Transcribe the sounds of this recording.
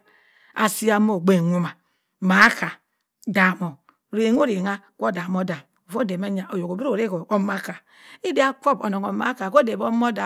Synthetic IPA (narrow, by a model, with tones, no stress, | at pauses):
a̰˨si˦a˦mo˦˨ɡ͡be˨ŋu˦ma˨ | ma˨˦ka˨ | da˨mo˨ | ɾe˨˦ŋ˦o˦ɾe˨ŋa˦ko˦˨da˨mo˦da˨m˨vo˦˨de˨ma˦ɲa˨ʔo˨jo˨ko˨bi˦ɾo˨ɾe˦ko˨o˦ma˦ka˨ | i˦de˦a˦ko˦bo˨no˨ŋo˨ma˦ka˨ko˦de˨bo˦mo˦da˨